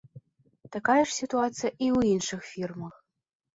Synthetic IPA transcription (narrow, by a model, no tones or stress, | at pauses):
t̪ɐkajɛʂsʲit̪uat̪sɨjɐʔiuwinʂɨxfʲirməx